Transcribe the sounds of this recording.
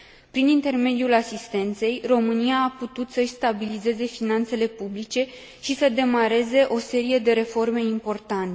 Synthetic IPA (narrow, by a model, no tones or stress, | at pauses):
pɾinint̪e̞rme̞d̪julasist̪e̞nt̪se̞jro̞mɨnijaːput̪ut̪səʃʲst̪abilize̞ze̞finant̪se̞le̞publit͡ʃe̞ | ʃisəd̪e̞maɾe̞ze̞ʔo̞se̞ɾije̞d̪e̞ɾe̞fo̞rme̞impo̞rt̪ant̪e